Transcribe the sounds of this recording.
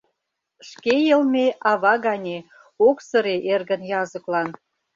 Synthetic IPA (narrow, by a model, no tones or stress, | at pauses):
ʃkejə̆lmeɑβɑɣɑnʲe | oksə̆ɾeʔerɣə̆njɑzə̆klɑn